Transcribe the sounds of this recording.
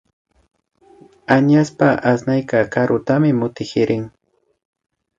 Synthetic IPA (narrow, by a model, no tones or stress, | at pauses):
aɲaspaʔasnajkakaɾʔʊt̪amɪmʊt̪ɪxɪɾʔɪŋ